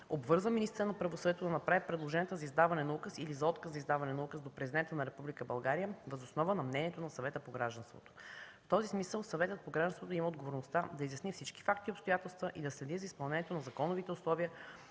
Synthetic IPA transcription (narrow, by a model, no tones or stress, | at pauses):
obvɤɾzvəminist̪əɾənɐpɾɐvosvɛt̪od̪ɐnɐpɾavipɾɛd̪lˠoʒɛniɛt̪əzɐizd̪avɐnɛnɐukəsilizɐɔt̪kəszɐizd̪avɐnɛnɐukəsd̪opɾɛzid̪ɛnt̪ənɐɾɛpublikəbɐlˠɡaɾijəvɐzosnɔvənɐmnɛniɛt̪onɐsɐvɛt̪əpoɡɾaʒd̪ɐnst̪vo̰t̪o̥ft̪ɔzismisəlˠsɐvɛt̪ət̪̚poɡɾaʒdɐnst̪vot̪oiməod̪ɡovoɾnost̪ad̪ɐizjɐsnifsit͡ʃki̥fakt̪iopst̪ojat̪ɛlˠst̪vəʔid̪ɐslɛd̪izɐispɐlˠnɛnʲjɛt̪onɐzɐkɔnovit̪ɛʊslˠɔviə